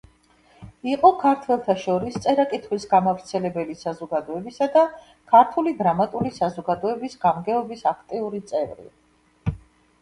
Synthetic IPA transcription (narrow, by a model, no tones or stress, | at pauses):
iqʼɔkʰaɾt̪ʰwɛlˠt̪ʰaʃɔɾist̪sʼɛɾakʼit̪ʰχwisɡamavɾt̪sʰɛlɛbɛlisazɔɡad̪ɔɛbisad̪a | kʰaɾt̪ʰulid̪ɾamat̪ʼulisazɔɡad̪ɔɛbisɡamɡɛɔbisakʰt̪ʼiuɾit̪sʼɛvɾḭ